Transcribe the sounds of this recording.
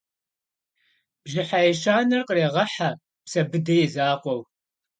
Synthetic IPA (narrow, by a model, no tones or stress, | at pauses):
b̥ʒɪħajɛʃaːnɐrqəreːʁɐħa | psɐbɨdɐjɛzaːqʷɔw